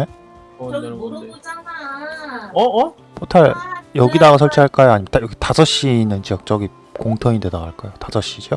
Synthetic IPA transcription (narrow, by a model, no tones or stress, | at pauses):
ne | ʌː | potʰaɭjʌɡidaɣas̬ʰʌɭt͡ɕʰiɦaɭk͈ajoaɲimtaʌɡetasʰʌɕ͈iːnːɯnt͡ɕiʌk̚t͡ɕ͈ʌɡi | koŋtʰʌŋide̞daɡaɭk͈ajotasʰʌɕ͈id͡ʑo